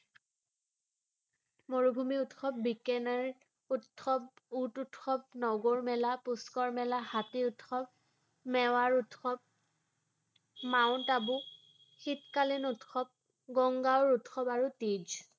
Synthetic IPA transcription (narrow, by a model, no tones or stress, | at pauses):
moɹubʱumiutxɔp̚bikɛnɛɹ | utxɔp̚ututxɔp̚nɔɡoɹmɛlapuskɔɹmɛlahatiʊtxɔp̚ | mɛwaɹutxɔp̚ | maʊntabʊ | xitkalinutxɔp̚ | ɡɔŋɡawɹutxɔpaɹutid͡ʒ